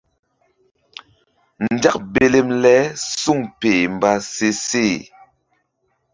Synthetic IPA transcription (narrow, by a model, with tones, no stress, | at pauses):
n̩˨d͡ʒa˦k̚be˨le˦˨mlɛ˦su˦˨ŋpe˨m˨ba˦se˦se˦˨